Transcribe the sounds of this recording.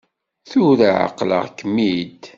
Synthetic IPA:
θʊɾaʕə̰qlə̰ʁkːəmːid̪

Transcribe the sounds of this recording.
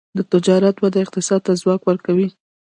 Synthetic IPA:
d̪ət̪ɪd͡ʒɑɾat̪bad̪aɪq̚t̪ɪsɑd̪̚t̪azwɑkwəɾkawi

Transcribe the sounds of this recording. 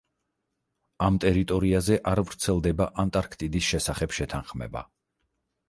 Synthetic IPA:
amt̪ʼɛɾit̪ʼɔɾiazɛʔaɾvɾt̪sʰɛlˠd̪ɛbaʔant̪ʼaɾkʰt̪ʼid̪isʃɛsaχɛbʃɛt̪ʰanχmɛ̰ba̰

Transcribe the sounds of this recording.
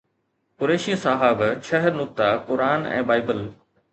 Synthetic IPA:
kʊɾeːʃĩsaːɦaːbʃʰɐɦəɾnʊk̚t̪akʊɾaːnɛ̰̃ːbaːɪbəl

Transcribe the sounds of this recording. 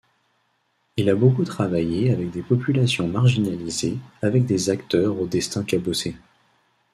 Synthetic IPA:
ilabokut̪χavajeavɛk̚d̪epɔpylasjɔ̃maʁʒinalizeavɛk̚d̪ezakt̪œʁod̪ɛst̪ɛ̃kʲabose

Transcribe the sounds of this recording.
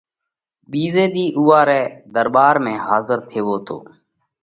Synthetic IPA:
ɓiːzeːd̪iːʔuːaːɾɛːd̪əɾɓaːɾmẽːɦaːzəɾt̪ʰeːʋoːt̪ʰo̰ː

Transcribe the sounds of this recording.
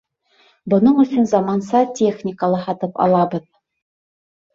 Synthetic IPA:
bŏnɤɴɵ̆ɕɵnzɑmɑnsɑtʲeχnʲɪkəlˠɤɦɑt̪ɤpɑ̰lˠɑbɤð

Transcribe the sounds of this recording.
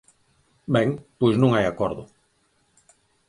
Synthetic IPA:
bɛ̃ŋpojznũŋajakɔɾðʊ

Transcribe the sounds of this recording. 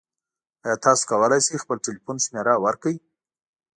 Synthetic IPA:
ajɑt̪ɑso̥kawəlajsejxpəlʈelifunʃmeɾawaɾkaji

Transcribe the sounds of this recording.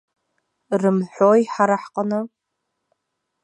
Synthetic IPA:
rɨmħʷojħaɾaħqʼənɨ

